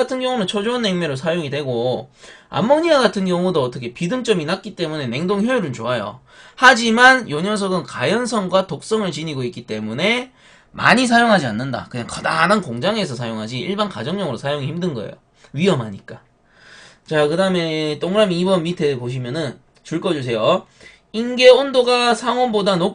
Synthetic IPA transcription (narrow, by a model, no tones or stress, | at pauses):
atʰɯnɡjʌŋunɯnt͡ɕʰʌd͡ʑoːnːe̞ŋmjʌɾosʰajoŋidwe̞ɡo | a̰mːʌŋɲiɡaɡatʰɯnɡjʌŋudoʌt͈ʌkʰe̞pidɯŋt͡ɕ͈ʌminak̚k͈it͈e̞mune̞ne̞ŋdoŋçjojuɾɯnt͡ɕoajo̰ | had͡ʑimanjoɲʌs̬ʰʌɡɯnkajʌnsʰʌŋɡwatok̚s͈ʌŋɯɭt͡ɕiɲiɡoik͈it͈e̞mune̞ | ma̰ɲis̬ʰajoŋɦad͡ʑianːɯnda̰kɯɲaŋkʌdanɯnkoŋd͡ʑaŋe̞sʰʌsʰajoŋɦad͡ʑiiɭbanka̰d͡ʑʌŋɲʌŋɯɾosʰajoŋiçimdɯnɡʌ̰ḛjo̰ | ɥiʌmɦaɲik͈a | t͡ɕakɯdaɯme̞t͈oŋɾamibʌnitʰe̞poɕ̬ʰimjʌnɯn | t͡ɕuɭk͈ʌd͡ʑus̬ʰe̞jo | inɡe̞ondoɡasʰaŋwʌnbodano